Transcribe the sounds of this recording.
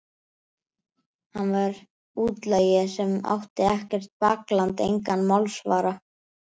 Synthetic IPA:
hanːvaɾ | uːt̪lajɪsɛma̰wht̪ɪɛhcɛr̥t̪̚paklant̪ḛjŋkanːmalsvaːɾa

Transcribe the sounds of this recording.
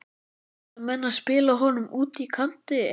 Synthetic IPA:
mɛnːaðspɪːlaɦɔnʏmuːt̪ikʰan̥t̪ɪ

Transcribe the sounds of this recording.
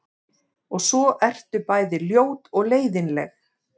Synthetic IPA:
ɔɣsɔʔɛr̥t̪ʏpaːjðɪljoːwt̪ɔɣleːjðɪnlɛ̰x

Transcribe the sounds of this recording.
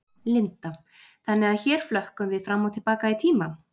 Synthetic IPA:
lɪnt̪a | θanːɪaðçɛːɾ̥flœhkʏmvɪðfɾamːawt̪ʰɪlpaːkait̪ʰiːma

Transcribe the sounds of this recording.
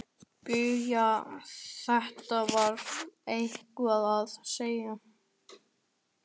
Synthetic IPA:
pʏja | θɛht̪avaɾejhkʏaðaðseːja

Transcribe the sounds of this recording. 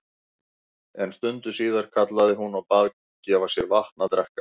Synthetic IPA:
ɛnst̪ʏnt̪ʏ̥siːðaɾ̥kʰat̪laðɪɦunawpaːð | cɛːvḁsjɛɾvaht̪nat̪ɾɛhkḁ

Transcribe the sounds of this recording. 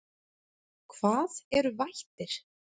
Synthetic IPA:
kʰv̥aːðɛɾʏvajht̪ɪɾ̥

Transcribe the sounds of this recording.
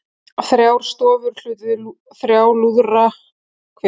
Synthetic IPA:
θɾjaːwɾ̥st̪ɔːvʏɾ̥l̥ʏt̪ʏ | θɾjaːwluðra | kʰɛ

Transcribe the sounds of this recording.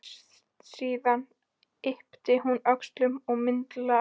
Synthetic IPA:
siːðan | ɪhpt̪ɪɦunœkst̪lʏmɔɣmɪnt̪la

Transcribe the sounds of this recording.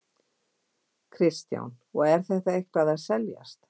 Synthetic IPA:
kʰɾɪst̪ja̰wn | ɔɣɛɾ̥θɛht̪aejhkaðaðsɛlja̰st̪

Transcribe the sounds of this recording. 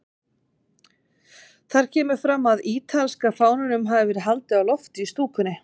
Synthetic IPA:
θaɾ̥cʰɛːmʏɾ̥fɾamːaðiːt̪ʰalskafaːwnʏnʏmɦaːvɪvɛːɾɪɦalt̪ɪawlɔft̪ɪist̪uːkʏnɪ

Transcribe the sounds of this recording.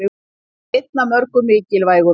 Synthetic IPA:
ɪ | et̪̚namœɾkʏmɪːcɪlvaːjɣʏ

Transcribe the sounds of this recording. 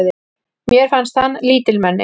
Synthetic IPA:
ðɪ | mjɛɾ̥fanst̪hanːliːt̪ɪlmɛnːɪ̰

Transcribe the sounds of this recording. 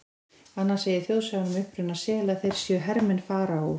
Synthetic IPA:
anːaseːjɪɾθjowðsaɣanʏmʏhpɾʏnaðsɛːɣlaðθejɾ̥sjœɦɛɾmɛnfaːɾau

